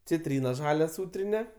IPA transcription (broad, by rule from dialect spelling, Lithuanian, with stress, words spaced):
t͡sʲɪˈtʲrʲiːnɐ ˈʒɑːlʲɛ ˈsuːtʲrʲɪnʲɪ